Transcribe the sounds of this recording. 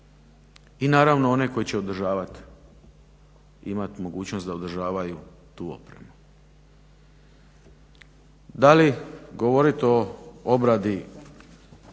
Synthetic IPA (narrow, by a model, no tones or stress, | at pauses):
inaːɾaʋno̞o̞neko̞jit͡ɕeod̪ɾ̩ʒaːʋat̪ | ḭmat̪mo̞ɡuːt͡ɕno̞saod̪ɾ̩ʒaːʋaju | t̪uːo̞̰pɾemu | d̪aliɡo̞ʋo̞ɾit̪eoobɾad̪i